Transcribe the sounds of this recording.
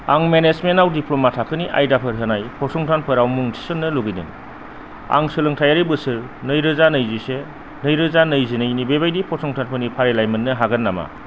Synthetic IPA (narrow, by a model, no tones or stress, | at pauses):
aŋmenezmenawdipʰlɔmatʰakʰɯniʔa̰jdapʰɯɾɦɯnajpʰɔsʰɔŋtʰanpʰɯɾawmuŋtʰi̥sɯnːɯluɡɯjnɯ̰n | a̰ŋsɯlɯŋtʰajaɾibɯsɯɾ | nɯjɾɯzanɯjzise | nɯjɾɯzanɯjzɯnɯjnibebajdipʰɔsʰɔŋtʰanpʰɯnipʰaɾelajmɯnːɯɦaɡɯnːama̰